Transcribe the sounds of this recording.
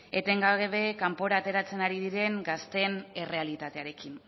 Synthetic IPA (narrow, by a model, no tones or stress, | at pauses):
e̞t̪e̞ŋɡaɣeβe̞kampo̞ɾaːt̪e̞ɾat͡se̞naɾiðiɾe̞ŋɡast̪e̞ne̞re̞alit̪at̪eaɾe̞kin